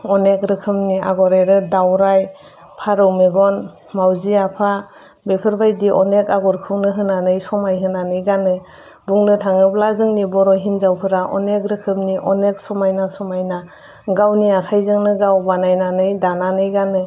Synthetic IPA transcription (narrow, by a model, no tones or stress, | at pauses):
ɔnek̚ɾɯkʰɯmnia̰ɡɔɾeɾɯdawɾaj | pʰaɾɯwmeɡɔn | mawziapʰa | bepʰɯɾbajdiʔɔnekaɡɔɾkʰɯŋnɯɦɯnanɯjsɔmajɦɯnanɯjɡanɯ | buŋnɯtʰaŋɯplazɯŋnibɔɾɔjɦinzawpʰɯɾaʔɔ̰nek̚ɾɯkʰɯmniʔɔnek̚sɔmajnasɔmajna | ɡawniakʰajzɯŋnɯɡawbanajnanɯjdananɯjɡanɯ